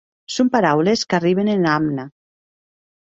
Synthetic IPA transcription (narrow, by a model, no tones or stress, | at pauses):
sompaɾawleskariβ̞enenamna